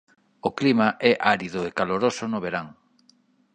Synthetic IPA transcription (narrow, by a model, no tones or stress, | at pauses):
oklimaʔɛʔaɾiðʊekaloɾosʊnʊβeɾaŋ